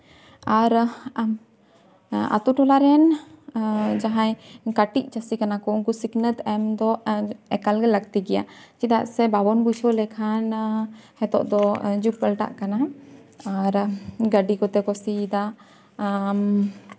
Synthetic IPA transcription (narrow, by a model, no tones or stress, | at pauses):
aɾ | a̰t̪uʈɔlaɾɛn | d͡ʒaɦãjkaʈiʔ̚t͡ʃasikanakɔunkusiknət̪ɛmd̪ɔɛkalɡɛlək̚t̪iɡɛja̰t͡ʃid̪a̰ʔsɛbabɔnbut͡ʃʰɔlɛkʰanhɛt̪ɔ̰ʔd̪ɔd͡ʒuk̚pəlʈa̰ʔkana | aɾɡəɖikɔt̪ɛkɔsid̪a | m